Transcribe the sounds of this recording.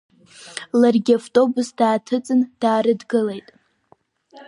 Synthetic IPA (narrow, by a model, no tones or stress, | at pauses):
larɡʲiaftʼo̞busd̥aːtʰɨt͡sʼɨnd̥aːɾɨdɡɨle̞jtʼ